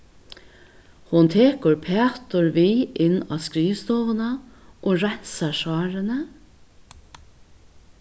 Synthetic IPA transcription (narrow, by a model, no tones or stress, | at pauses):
hʊnt̪ʰeːkʊɹpʰeːt̪ʊɹʋiːʔɪnɑ̰ːskɾiːst̪oːʋənəʔoːɹænsɑʃɑːɹənə